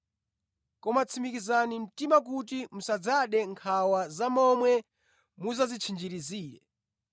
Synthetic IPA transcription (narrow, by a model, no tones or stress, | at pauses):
kɔmat͡sʰimikizanim̩timak̬ut̬imusad͡zaɗɛŋkʰawazamɔmwɛ | muzazit͡ʃʰind͡ʒiɾiziːɾɛ̰